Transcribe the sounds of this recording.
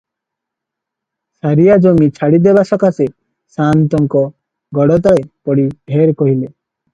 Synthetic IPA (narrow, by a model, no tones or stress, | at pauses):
saɾijad͡ʒomit͡ʃʰaɽid̪ebasɔkase | sant̪ɔŋkɔ | ɡɔɽɔt̪̬ɔɭepɔɽibʱeɾkɔɦile